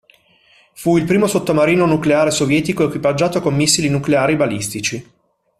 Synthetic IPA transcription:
fuilpɾiːmosot̪ːomaɾiːnonukleaːɾesovjɛːt̪ikoekwipad͡ʒːaːt̪okomːisːilinukleaːɾibalist̪it͡ʃi

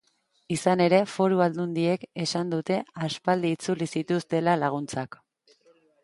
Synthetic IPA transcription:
isane̞ɾe̞fo̞ɾuald̪und̪ie̞ke̞sand̪ut̪e̞aspald̪iːt͡sulisit̪ust̪e̞lalaɣ̞unt͡sak

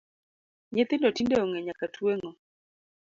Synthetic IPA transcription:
ɲet̪ɪndɔtindɛɔŋɛɲakatʰweŋo

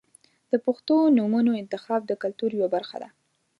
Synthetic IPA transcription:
d̪̥əpʊxt̪onumunoɪnt̪ɪxɑb̚d̪əkalt̪uɾjwabaɾxa̰d̪a̰

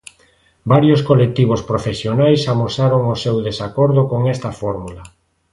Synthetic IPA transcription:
baɾjoskolek̚t̪iβ̞ospɾofesjonajsamosaɾoŋosewðesakoɾðokoŋɛst̪ɐfɔɾmulɐ

